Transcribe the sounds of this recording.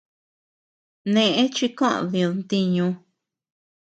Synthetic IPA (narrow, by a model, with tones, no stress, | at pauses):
nẽ˧ʔẽ˦t͡ʃi˧kã̰˦˨ðĩ˧o˧nt̪i˧ɲũ˧